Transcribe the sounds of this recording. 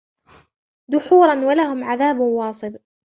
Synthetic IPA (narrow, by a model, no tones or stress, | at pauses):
d̪ʊħuːɾˤɑnwalahʊmʕaðaːbwɑːsˤɨb